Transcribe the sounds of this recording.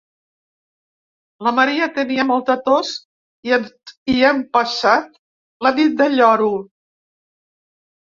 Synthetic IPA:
ləməɾiət̪əniəmɔlˠt̪ət̪os | iiɛmpəʃat̪̚ | ləβit̪̚d̪əʎɔɾu

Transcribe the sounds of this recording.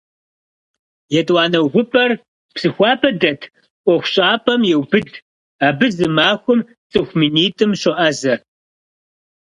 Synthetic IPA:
jɛtʼwɑːnɐwɣʷʊpʼɐr | psɨxʷɑːpʰɐdɐtʰ | qʷʼɔxʷʊɕʼaːpʰʼɐmjɛwbɨd | aːbɨzɨmaːxʷʊm | t͡sʼɨxʷminiːtʼɨmɕɔʔɐzɐr

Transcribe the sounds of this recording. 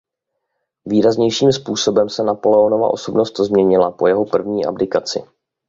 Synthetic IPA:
viːɾazɲɛjʃiːmspuːso̞bɛmsɛnapo̞lɛono̞va̰ʔo̞so̞bnost̪zmɲɛɲɪlapo̞jɛɦo̞pr̩vɲiːʔa̰bdɪkat͡sɪ̰

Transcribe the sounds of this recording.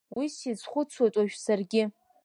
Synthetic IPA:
wisit͡sʷʰχʷʊt͡sʰwatʼaʒᶣsarɡʲɪ

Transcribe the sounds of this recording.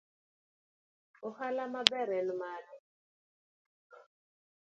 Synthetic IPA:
ʊhalamabɛɾɛlmaːɾɛ

